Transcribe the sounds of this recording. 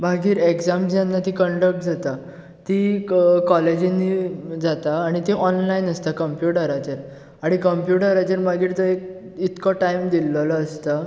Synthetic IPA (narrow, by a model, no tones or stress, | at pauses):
bʱaɡiːɾekd͡zamd͡ʑjanːat̪ĩkəɳɖək̚ʈd͡zat̪a | t̪ikɔled͡ʑinːid͡zat̪aːɽ̃it̪ĩʔɔnlainəst̪akəmpjuʈəɾat͡ɕəɾ | aɽ̃ikəmpjuʈəɾad͡ʑəɾbʱaɡiːɾt̪əek̚ | it̪kʰɔʈaimd̪ilːəlɔəst̪a